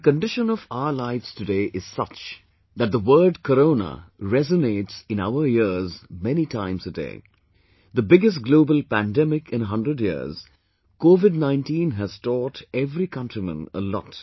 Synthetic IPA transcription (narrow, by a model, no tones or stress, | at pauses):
əkə̃nɖɪʃə̃nɔvaʊə˞laɪvz̥tɨdeːʔɪz̥sʌt͡ʃ | ðæt̚d̪əwəːɖ̚kəɾõʊnə̰ɹɛzəneːtsɪ̃na̰ʊəjɪzmɛnitʰãɪ̃mzədḛː | ðəbɪɡɨs̬tɡloːbəlpæ̃ndɛmɪkɪ̃nəɦʌ̃ndɾədjḭz̥ | koːvɪd̚nãɪ̃ntĩːnɦæz̥tɔtɛvɾikʌ̃ntɹimə̰̃nə̰lɔ̰t